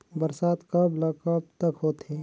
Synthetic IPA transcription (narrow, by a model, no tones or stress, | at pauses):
bəɾsaːt̪kəblɐkəbt̪əkɦoːt̪eː